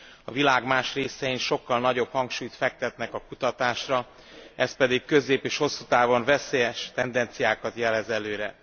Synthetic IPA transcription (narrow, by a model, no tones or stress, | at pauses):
ɒvilaːɡmaːʃreːsɛinʃo̞kːɒlnɒɟo̞phɒŋkʃuːjt̪fɛk̚t̪ɛt̪nɛkɒkut̪ɒt̪aːʃrɒ | ɛspɛd̪ikkø̞zeːpeːʃho̞sːut̪aːvo̞ɱvɛseːjɛʃt̪ɛnd̪ɛnt̪sijaːkɒt̪jɛlɛzɛløːɾɛ